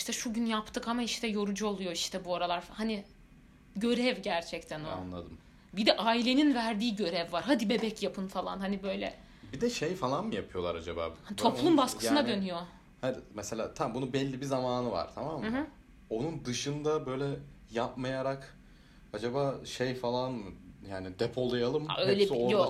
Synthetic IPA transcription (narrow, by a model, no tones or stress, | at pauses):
iʃt̪ʰɛʃuɟynjapt̪ʰɯkamaiʃt̪ʰɛjo̞ɾud͡ʒuo̞lˠujo̞iʃt̪ʰɛbuoɾalˠaɾfhani | ɟø̞ɾɛvɟæɾt͡ʃʰɛct̪ʰænoa̰nlˠa̰d̪ɯm | bid̪ɛʔaːilʲe̞ninvæɾd̪iːɟø̞ɾɛvːaɾɦad̪ibe̞bɛcjapʰɯnfalˠa̰nhanibø̞jlʲɛ̰ | bid̪ɛʃejfalˠanmɯjapʰɯjo̞lˠaɾad͡ʒaba̰ːbht̪ʰo̞plˠunbaskkɯ̥ɯnad̪ø̞nyjo̞ | had̪imɛselʲa̰ːt̪ʰambunubɛlʲːibizamaːnɯva̰ɾ̥t̪ʰamamː | o̞nund̪ɯʃɯnd̪abø̞jlʲɛ | jap̚majaɾak | ad͡ʒabaːʃejfalˠanmɯjaːnid̪ɛpʰo̞lˠajalˠɯma̰øjlʲɛojo